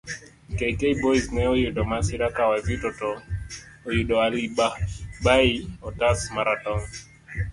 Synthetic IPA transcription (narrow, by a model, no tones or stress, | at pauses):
kɛikɛibɔiznɛɔjeɗɔmasiɾakawavitɔtɔ | ɔjiɗɔaliɓaɓaiɔtasmaɾatɔŋ